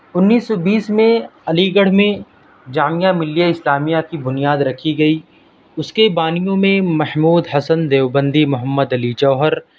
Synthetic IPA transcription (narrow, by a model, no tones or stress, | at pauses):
ʊnːiːsːɔbiːsmẽɐliɡəɽ̤mẽ | d͡ʒaːmijamɪlːijaɪslaːmijakibʊnijaːd̪ɾɐkʰiɡɐi | ʊskebaːnijõmẽmɐhmuːd̪ɦɐsənd̪eːʋbə̃nd̪imʊɦəmːəd̪ɐlit͡ʃɔːɦəɾ